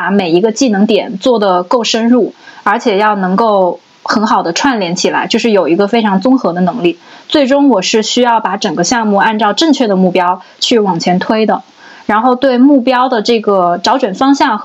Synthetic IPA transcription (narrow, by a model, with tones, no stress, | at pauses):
a˧˥me˨˩ɪi˧˥ɡə˧t͡ɕi˥˩nɤ˧˥ŋt̪jɛ˨˩˦nt͡swɔ˥˩d̪ə˩ko˥˩ʊʂə˥nɻu˥˩ə˞˧˥t͡ɕʰjɛ˨˩jɑ˥˩ʊnɤ˧˥ŋko˥˩ʊ | xə˧˥nxɑ˨˩ʊd̪ə˦ʈ͡ʂʰwa˥˩nljɛ˧˥nt͡ɕʰi˨˩la̰˧˥ɪt͡ɕjo˥˧ʊʂɻ̩˥˩jo˨˩ʊi˧˥ɡə˧fe˥ɪʈ͡ʂʰɑ˧˥ŋt͡sʊ˥ŋxɤ˧˥d̪ə˧nɤ˧˥ŋli˥˩t͡swe˥˩ɪʈ͡ʂʊ˥ŋwɔ˨˩ʂɻ̩˥˩ɕy˥jɑ˥˩ʊpa˧˥ʈ͡ʂə˨˩ŋɡə˧˦ɕjɑ˥˧ŋmu˥˧a˥˧nʈ͡ʂɑ˥˧ʊʈ͡ʂɤ˥˧ŋt͡ɕʰɥɛ˥˩d̪ə˩mu˥˩pjɑ˥ʊ | t͡ɕʰy˥˩wɑ˨˩ŋt͡ɕʰjɛ˧˥nt̪ʰwe˥ɪd̪ə˨ | ɻa˧˥nxo˥˧ʊt̪we˥˧ɪmu˥˩pjɑ˥ʊd̪ə˨ʈ͡ʂɤ˥˩ɡə˩ʈ͡ʂɑ˧˥ʊt͡ɕɥɛ˨˩nfɑ˥ŋɕjɑ˥˩ŋ